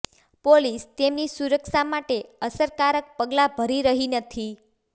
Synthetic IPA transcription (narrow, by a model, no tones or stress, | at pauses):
polist̪emnisuɾəkʃamaʈeəsəɾkaɾək̚pəɡlabʱəɾiɾəɦinət̪ʰi